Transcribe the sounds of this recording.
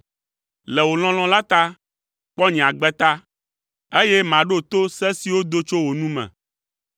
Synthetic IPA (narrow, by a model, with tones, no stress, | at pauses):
lɛ˨wo˨l̃ɔ̃˦l̃ɔ̃˦la˦t̪a˦ | k͡pɔ˦ɲĩ˨a˨ɡ͡bɛ˦t̪a˦ | e˦je˦mã˨ɖo˦t̪o˦sɛ˦si˨wo˦d̪o˦t͡ʃo˦wo˨nũ˦mɛ̰̃˨